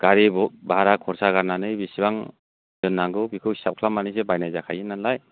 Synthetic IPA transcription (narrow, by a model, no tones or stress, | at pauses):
ɡ̥aɾibɔk̚baɾakʰɔɾsaɡaɾnanɯjbisibaŋ | z̥ɯnːaŋɡɯbikʰɯwsap̚kʰlamːanis̬ebajnajzakʰajɯnːanlaj